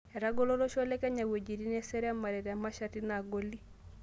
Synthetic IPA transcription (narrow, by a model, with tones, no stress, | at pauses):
ɛ˨ɾa˦ɡɔ˦lɔ˦lɔ˦ʃɔ˦lɛ˦kɛ˦ɲa˨we˨d͡ʒi˨ɾi˦nɛ˦sɛ˦ɾɛ˦a˦ma˨ɾɛ˨ɾɛ˨a˨ma˦ʃa˦ti˦na˨ɡo˦li˦